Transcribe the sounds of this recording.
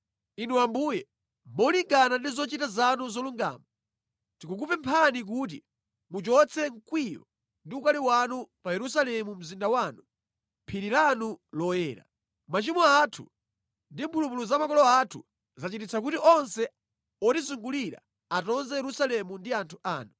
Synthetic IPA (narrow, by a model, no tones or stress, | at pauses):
inuambuːjɛ | mɔliŋɡanandizɔt͡ʃitazanuzɔluŋɡa̰ːma | tikuk̬upɛmpʰanik̬uːt̬i | mut͡ʃɔt͡sʰɛŋkwiɾɔ̰ | ndiukaliwanupajɛɾus̬alɛmum̩zindawanu | mpʰiɾilanulɔjɛːɾa̰ | mat͡ʃimɔatʰṵ | ndimbulumuluzamakɔlɔatʰu | zat͡ʃitit͡sʰakutiʔɔnsɛ | ɔtizuŋɡuliɾa̰ | atɔnzɛjɛɾusalɛmundiantʰuʔaːnu